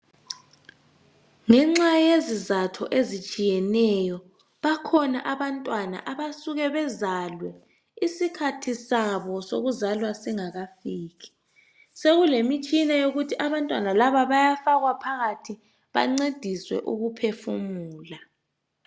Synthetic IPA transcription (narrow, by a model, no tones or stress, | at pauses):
ŋɛŋ͡ǁajezizatʰɔ̰ʔezit͡ʃʼijɛnɛjɔ | βakʰɔnaʔaβantʼwana̰ʔaβasuɣɛβɛzalwɛ | isikʰatʰisaβɔsoɣuzalwasiŋaɣafiːɣɛ̥ | seɣulemit͡ʃʼinajoɣutʰiʔaβantʼwanalaβaβajafaɣwapʰaɣatʰi | βa̰ŋ͡ǀed̥ʱiswɛ̰ʔuɣupʰefumuːla